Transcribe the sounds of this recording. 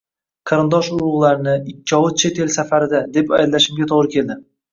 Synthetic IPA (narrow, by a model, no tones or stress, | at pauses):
qʰɑɾɪnd̪ɒʃʊɾʊʁlˠaɾɪnɪɪkʲːɒwʊt̪̚t͡ʃʰet̪ʰe̞lsafaɾɪd̪ad̪e̞pajd̪laʃɪmɡʲat̪ʰoʁɾɪkʲʰe̞ld̪ɪ